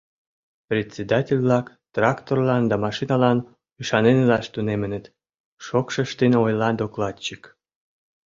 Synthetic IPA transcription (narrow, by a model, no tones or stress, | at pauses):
prʲet̪ʲt͡sʲed̪ɑtʲelʲβlɑk | t̪rɑkt̪orlɑnd̪ɑmɑʃinɑlɑn | yʃɑnenelɑʃt̪unemə̆nə̆t̪ | ʃokʃə̆ʃt̪enojlɑnd̪oklɑt̪t͡ɕik